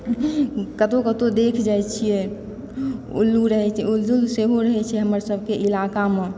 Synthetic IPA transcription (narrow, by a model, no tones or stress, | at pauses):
kət̪okət̪od̪ekʰd͡ʒajt͡ʃʰijɛ | ṵlːuɾəɦɛt͡ʃʰɛulːulseɦoɾəɦɛt͡ʃʰɛɦəməɾsəb̚ʱkeʔilakame